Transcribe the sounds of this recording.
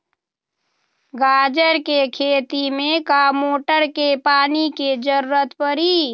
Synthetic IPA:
ɡaːd͡ʒəɾkekʰeːt̪imẽkamoːʈəɾkepaːniked͡ʒəɾɾət̪pəɾiː

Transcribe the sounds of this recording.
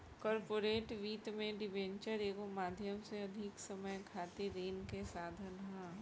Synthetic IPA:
kɔːɾpoːɾeːʈʋiːt̪mẽɖɪʋẽːɲt͡ʃəɾeːkomaːd̪ʱjəmseɐd̪ʱɪksɐməjkʰaːt̪iɾeːnkesaːd̪ʱənɦãː

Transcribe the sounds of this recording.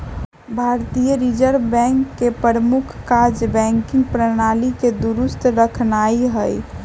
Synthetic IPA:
bʱaɾt̪ijəɾid͡ʒəɾbɛ̃ŋkːepəɾəmukʰkaɾd͡ʒbɛ̃ŋkĩŋɡpɾəñaliked̪uɾust̪ʰɾəkʰnaiɦəj

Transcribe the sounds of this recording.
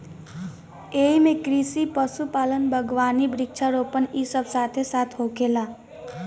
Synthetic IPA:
eimẽkɾisipəsupaːlənbʱəɡʋanibɾɪkt͡ʃʰaɾopənisəbsat̪ʰesat̪ʰɦokʰela

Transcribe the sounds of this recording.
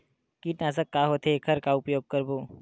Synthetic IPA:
kiʈnaːsəkːaɦoːt̪ʰekʰɐɾkaʊpjoːɡ̚kɐɾboː

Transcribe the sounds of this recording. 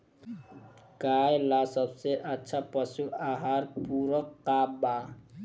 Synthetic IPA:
kaːjlasəbseʔətːʃʰapəsuaɦaɾpuːɾəqaːba

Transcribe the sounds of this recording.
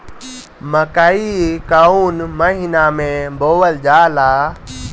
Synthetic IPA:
məkaːikaunməɦɪnamẽboːʋəld͡ʒaːlaː

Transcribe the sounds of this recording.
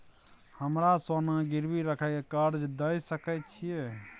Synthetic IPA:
həmɾasonãɡɪɾbiɾəkʰɛkekaɾd͡ʒd̪əisəkɛt͡ʃʰije

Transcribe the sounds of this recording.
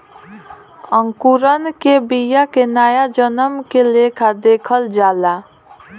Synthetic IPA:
ə̃ŋkuɾənkebijakenaːjad͡ʒənəmkelekʰad̪eːkʰəld͡ʒaːla

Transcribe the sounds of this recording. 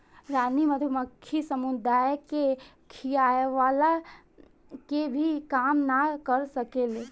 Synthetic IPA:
ɾaːniməd̪ʱəməkʰːisəmud̪aːjke | kʰijaːjʋaːla | kebʱikaːmnakəɾsəkele

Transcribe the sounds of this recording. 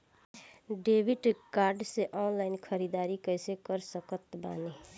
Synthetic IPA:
ɖeːbiʈkaːɾɖseʔɔnlaɪnkʰəɾid̪aːɾikəɪsekəɾsəkət̪ba̰ːne

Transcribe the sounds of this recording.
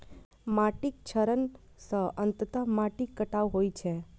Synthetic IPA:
maʈik̚t͡ʃʰəɾən | səənt̪ət̪əmaʈikːəʈaʋɦojt͡ʃʰe

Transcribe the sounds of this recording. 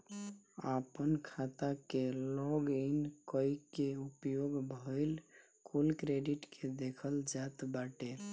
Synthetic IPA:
apənkʰat̪akellɔɡinkəjkeupjoɡbʱəɪl | kʰulkɾeɖiʈkʰed̪ekʰəld͡ʒat̪baʈe

